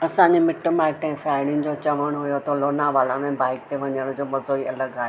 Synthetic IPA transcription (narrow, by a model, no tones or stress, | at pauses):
ɐsãɲd͡ʑemɪʈʊmãɪʈẽɦɪ̃saːɪɽ̃ɪnɪ̆d͡ʑoːt͡ɕɐʋəɽ̃ɦʊjot̪ʰoloːnãʋaːlamẽbaːɦɪk̚t̪ʰeʋɐɲəɽ̃ʊd͡ʑoːmɐzoːiɐləɡaːɦe